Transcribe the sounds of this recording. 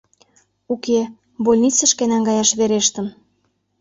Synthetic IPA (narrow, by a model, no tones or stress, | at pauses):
uke | bolʲnit͡sə̆ʃkenɑŋɡɑjɑʃβeɾeʃt̪ə̆m